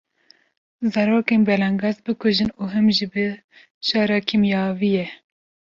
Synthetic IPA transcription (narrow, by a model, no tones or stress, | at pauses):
zɑɾoːkeːnbɛlɑŋɡɑːzbɨkʰʊʒɨnuːɦɨmʒibɨ | ʃɑːɾɑːkʰimjɑːvijɛ